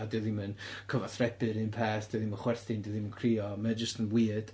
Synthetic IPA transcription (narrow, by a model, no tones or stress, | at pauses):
dɨðimənkʰəvaθrɛbɨɾɨnpʰeːθd̥ɨðimənχwɛrθɪndəðimənkʰriːɔməd͡ʒəstənwiːd̥